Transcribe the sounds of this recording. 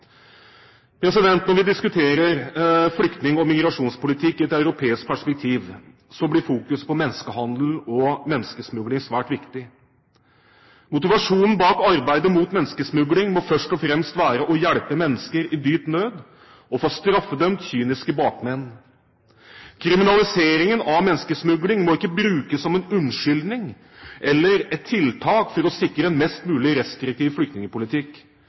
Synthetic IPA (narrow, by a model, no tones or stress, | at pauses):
pʰɾɛsɪd̪ɛnt̪nɔɾʋɪd̪ɪskʉt̪ʰeːɾəɾflʏkt̪nɪŋɔmɪɡɾɑʂuːnspʊlɪt̪ʰɪkːɪɛt̪œʉɾʊpʰeːɪsk̚pʰæʂpɛk̚t̪ʰiːʋ | sɔblɪfuːkʉspɔmɛnːskəhɑnd̪l̩ɔmɛnːskəsmʉɡlɪŋsʋæːʈʋɪkt̪ɪ | mʊt̪ɪʋɑʂuːnən̩bɑːkɑɾbæɪd̪əmuːt̪mɛnːskəsmʉɡlɪŋmɔfœʂʈɔfɾɛmst̪ʋæːɾəʔɔjæɽpəmɛnːəskəɾɪd̪yːt̪nøːd̪ | ɔfoːst̪ɾɑfːəd̪œmt̪çyːnɪskəbɑːkmɛnː | kʰɾɪmɪnɑlɪseːɾɪŋənɑmɛnːskəsmʉɡlɪŋmɔɪkːəbɾʉːkəsːɔmɛnʉnʂʏld̪nɪŋ | ʔɛlːəɾɛt̪ʰːɪlt̪ʰɑːkfɔɾɔsɪkɾəɛnmɛst̪mʉːlɪɾɛst̪ɾɪk̚t̪ʰɪːʋflʏkt̪nɪŋəpʊlɪt̪ʰɪk